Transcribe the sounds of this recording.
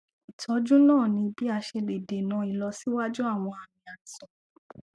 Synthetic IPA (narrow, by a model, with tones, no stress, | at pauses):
i˨tʰɔ˨˦d͡ʒũ˦nãː˦˨nĩ˧bi˦a˧˨ʃe˧de˨de˨nã˨˦i˨lɔ˧si˨˦wa˦d͡ʒu˦a˦˨w̃ɔ̃˧a˨mĩ˨a˨sɔ̃˨